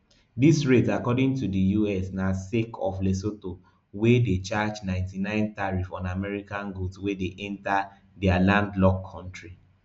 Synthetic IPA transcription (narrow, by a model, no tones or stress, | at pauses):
disɹetakɔdɪ̃ŋtudəjuɛsnasekʰɔflesoto | wedet͡ʃad͡ʒnãɪ̃ntinãɪ̃ntaɹifɔ̃namɛɹikãnɡoswedeʔɛ̃nta | dɛalãndlɔkʰːɔ̃ntɹi